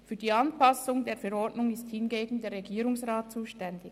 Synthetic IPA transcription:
fyːɐdiːɑnpɑsʊŋdeːɐfɛɾɔdnʊŋɪsthɪnɡeːɡn̩deːɾʁeɡiːɾʊŋsʁaːt̚t͡suːʃtɛndɪ

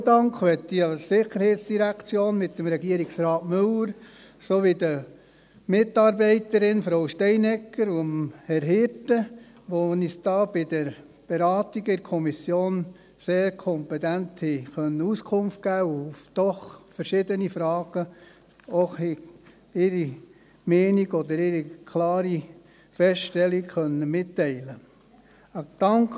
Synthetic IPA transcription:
d̪ɑŋkχʋɛt̪ːiɑsɪχəɾhɛɪt̪sd̥iɾækt͡sjoːnmɪt̪ːəmɾɛɡiəɾiɡsɾɑːtmɵləɾ | soʋɪd̪ə | mɪt̪ːɑːɾbɛɪt̪əɾɪnfɾowʃtɛɪnɛkːəɾuəmhɛɾɦɪɾtə | ʋonisd̥̪ɑːb̥ɪd̪əɾ | b̥ɛɾɑːt̪iɡɪɾkʰɔmisjoːn | seːɾkʰɔmpɛt̪ænthixœnːəuskʰʊmft̚ɡ̥æːʊfd̥ɔχfəɾʃɪːd̪ənifɾɑːɡ̥ə | oχhɛ | ɪɾi | mɛːniɡɔd̪əɾɪɾikʰlɑːɾi | fɛsʃtɛlikχœnːəmɪtːɛɪlə | d̥ɑŋk

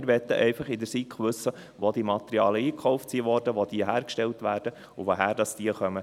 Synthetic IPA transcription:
ɾʋɛt̪ːəʔɛɪfɑχɪdəɾsikχʋɵsːə | ʋod̥̪iəmɑt̪əɾiɑːləiːkʰχɔʊft͡siːʋɔɾdəʋod̪̥iəɦæːɾkʃtɛltʋæːrd̥ə | uʋoɦæːɾd̥ɑsd̥iəχœmə

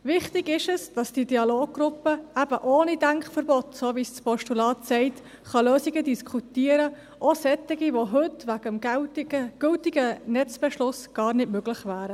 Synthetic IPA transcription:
ʋɪχt̪ɪɡɪʃəsd̥ɑsd̥idiɑloːɡ̚ɡ̥ɾʊpəæb̥əʔoːnidæŋkχfəɾbɔt̪soːʋisspɔʃtulɑːt̪sɛɪt̪ | χɑløːsiɡədiskʰutiːəɾə | ʔosɛt̪ːɪɡiʋoɦɵt̪ʋæɡ̥əm | ɡ̥ɵltɪɡənɛt͡sb̥ɛʃlʊsɡ̥ɑːrnɪdmøɡlɪχʋæːɾə

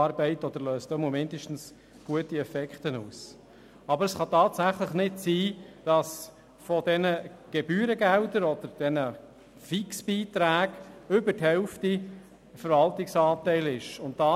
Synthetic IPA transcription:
ɑɾbɛɪtɔd̥̪əɾløːstɔmomɪndəʃtn̩s | ɡ̥uətiɛfɛkχtənuːs | ɑbəɾəsχɑtɑːtsæχləχnɪtsiːd̥ɑs | fɔdɛnəɡ̥ebyːɾəɡɛldəɾɔd̥̪əɾd̥ɛnə | fiksb̥iːtɾæːɡ̥ʏbəthɛʊfti | fəɾvɑltɪksɑːtɛɪlɪʃʊntd̥ɑ

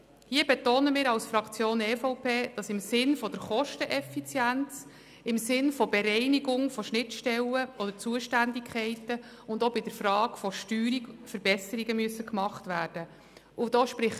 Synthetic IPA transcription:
hiːəbɛtoːnəmɪːɾɑwsfɾɑkt͡sjoːnɛfɔʊpʰeːd̥ɑsɪmsɪnfɔd̥əɾχɔʃtəʔɛfit͡sjænt͡s | ɪmsɪnfɔbɛɾɛɪniɡʊŋfɔʃnɪtʃtɛləɔd̥ət͡suəʃtændikʰχɛɪtə | ʊndobɪd̥əɾfrɑːkfɔʃtyːɾikfəɾb̥ɛsəɾiɡəmyəsːəkmɑχtvæːrd̥ə | ʔʊd̥ɔːʃpɾɪχ

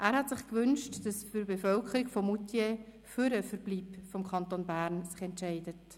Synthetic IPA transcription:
ʔæːɾhɑtsɪχkʋʏnʃtd̥ɑsfyɾbefœlkʰəɾɪɡfɔmutje | fyɾəfəɾbliːpfɔmkʰχɑntonbæːɾnsɪχɛntʃɛɪdət

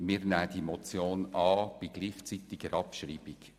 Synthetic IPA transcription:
miːɾnæːd̪̥imɔt͡sjoːnɑːb̥iɡliːχt͡sit̪ɪɡ̥əɾɑpʃriːb̥ik

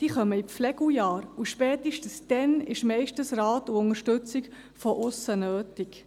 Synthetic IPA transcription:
d̥iːχœməiflɛɡ̥ujɑːɾuʃpɛːtiʃtən̩sd̥ɛnɪʃmɛɪʃtənsɾɑːtuʊŋəʃtɵt͡sɪk | fɔʔʊsənøːtɪk

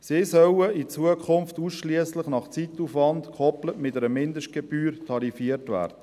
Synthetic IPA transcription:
sɪsœwəit͡suəkʰχʊnftuːsʃliəslɪχnɑχt͡sitːufʋɑndkʰχɔplətmɪtɛɾəmɪndəʃt̚ɡ̥eb̥yːɾtʰɑɾifiərtʋæ̰ːrd̥ə

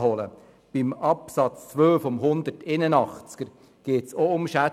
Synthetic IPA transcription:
hɔlə̰ | b̥ɪmɑpsɑt͡st͡sʋøːfɔmɦʊnd̪ərtɪnənɑχt͡sɡ̥əɾ | ɡ̥eːtsoʊmʃæ

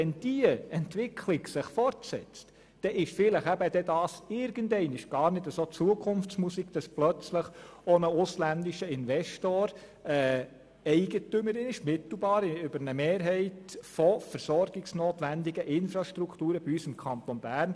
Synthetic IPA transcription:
ɛnd̥iəɛntʋɪkʰlɪɡsɪχfɔɾtsɛ̰t͡st | d̥ɛʔɪʃfɪləχæbəd̥̪ɛdɑːsɪɾɡ̥əndɛɪnɪʃɡ̥ɑːɾnɪdəsot͡suəkʰʊnft͡smusiɡd̥ɑsplœt͡sləχɔnəʊslændiʃəɪnʋɛʃtoːɾ | ɛː | ɛɪɡətʏməɾɪnɪʃmɪt̪l̩ˠbɑːɾɪʏbəɾnəmeːɾɦɛɪtfɔfəɾsɔɾɡɪɡsnoːt̪ʋænd̪iɡəʔɪnfɾɑʃt̪ɾukʰt̪uːɾəb̥iysɪmkʰɑnt̪ɔnb̥æːrn

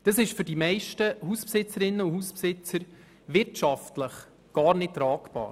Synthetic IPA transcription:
d̥ɑsɪʃfʏɾdimɛɪʃtəhuspsɪt͡səɾɪnːəuhuspsɪt͡səɾ | ʋɪɾtʃɑftləχ | ɡ̥ɑːɾnɪt̚tːɾɑːkbɑ̰ːɾ

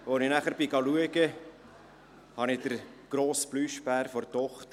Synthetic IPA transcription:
ʋonɪnæχəɾbɪɡɑluəɡə | hɑnɪd̥əɾ | ɡ̥ɾoːsb̥lyːʃbæːɾfɔrtɔχt̪ə

